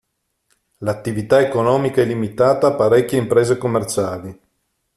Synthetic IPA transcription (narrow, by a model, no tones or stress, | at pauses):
lat̪ːivit̪aekonɔːmikaɛlːimit̪aːt̪aːpːaɾɛkːjeimpɾeːzekomːert͡ʃaːli